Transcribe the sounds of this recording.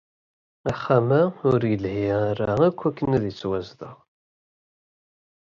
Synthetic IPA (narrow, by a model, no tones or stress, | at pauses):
aχːamæʊɾjəlhiaɾaækʷːækːənæðjət͡sːwæzðə̰ʁ